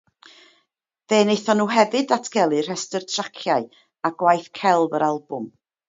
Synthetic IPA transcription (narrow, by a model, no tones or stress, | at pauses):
ðeːnejθɔnuːɦɛvɨdatʰɡ̥ɛlˠɨr̥ɛstərtʰrakʰjaɨ | aɡwajθkʰɛlˠvəɾalˠbʊm